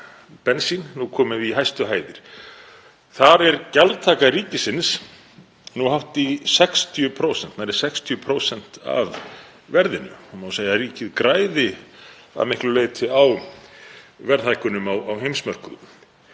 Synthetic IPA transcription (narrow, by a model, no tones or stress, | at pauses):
pɛnsinnukʰɔːmɪviɦajst̪ʏɦaːjðɪɾ̥ | θaɾɛɾcalt̪ʰaːkaɾiːcɪsɪns | nuhaft̪isɛkst̪ʰjʏpʰɾowsɛn̥t̪naɾɛɾ̥sɛkst̪ʰjʏpʰɾoːwsɛn̥t̪a̰v | vɛɾðɪnʏ̰humawsaːjaɾiːcɪðkɾaːjðɪ | a̰ðmɪhklʏleːjt̪ʰɪaw | vɛɾðhajkʏnʏmawawɦejmsmœr̥kʏðʏm